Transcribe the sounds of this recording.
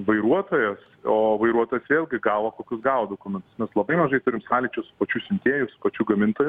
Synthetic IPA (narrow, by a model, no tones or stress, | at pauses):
ʋɐɪɾuɔt̪oːjɛs | oːʋɐɪɾuɔt̪oːjɛsʋʲeːlʲɡʲɪɡɑːʋoːkoːkʲʊsɡɑːʋoːd̪oːkʊmʲɛnt̪ʊ̥smʲɛslˠɐbɐɪmɐʒɐɪt̪ʊɾʲɪmsɑːlʲit͡ʃʲʊsʊ̥pɐt͡ʃʲuːsʲɪmʲt̪ʲiɛjʊsʊ̥pɐt͡ʃʲuːɡɐmʲɪnt̪oːjʊ